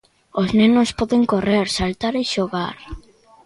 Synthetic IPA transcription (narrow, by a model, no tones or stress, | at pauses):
oznenospɔðeŋkoreɾsalt̪aɾeʃoɣaɾ